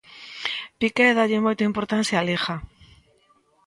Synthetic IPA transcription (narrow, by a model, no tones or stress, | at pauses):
pikɛðaʎɪmojt̪aimpoɾt̪an̟θjaːlexa